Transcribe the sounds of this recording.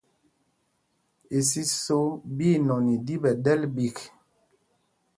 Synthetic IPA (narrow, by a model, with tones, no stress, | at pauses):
e˨si˦so˦bi˦˨nɔ˨ni˨di˦bɛ˨dɛ˦lbi˨k